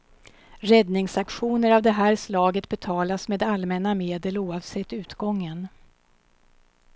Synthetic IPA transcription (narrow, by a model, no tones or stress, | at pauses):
ɾɛd̪nɪŋsakɧuːnəɾavd̪ɛɦæːɾslɑːɡət̪bɛt̪ʰɑːlasmeːd̪almɛnameːd̪əluːɑvsɛt̪ːʉ̟ːt̪ɡɔŋːən